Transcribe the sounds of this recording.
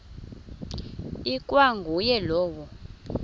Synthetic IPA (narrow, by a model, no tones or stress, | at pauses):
ikʼwaŋɡʱujɛlɔːwɔ